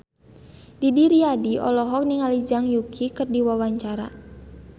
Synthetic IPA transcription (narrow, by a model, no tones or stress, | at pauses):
didiɾiadiɔ̰lɔɦɔk̚niŋalid͡ʒaŋjukʰikərdiwawaɲt͡ʃaɾa̰